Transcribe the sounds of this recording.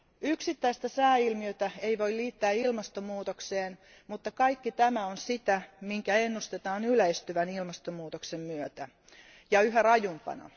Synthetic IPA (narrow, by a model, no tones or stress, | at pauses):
yksit̪ːæist̪æsæːilmiøt̪æeiʋoiliːt̪ːæːilmɑst̪omuːt̪okseːn | mut̪ːɑkɑikːit̪æmæonsit̪æmiŋkæenːust̪et̪ɑːnylæist̪yʋænilmɑst̪omuːt̪oksemmyøt̪æ | jɑyɦærɑjumpɑ̰nɑ̰